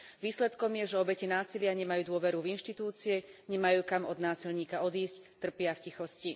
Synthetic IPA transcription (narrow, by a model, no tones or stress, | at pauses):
ʋiːslɛt̪kɔmjɛʒɛɔbɛcinaːsilɪaɲɛmajuːd̪ʊɔʋɛɾuvinʃt̪it̪uːt͡siɛɲɛmajuːkamɔd̪naːsilɲiːkaɔd̪iːsct̪r̩pɪafcixɔsci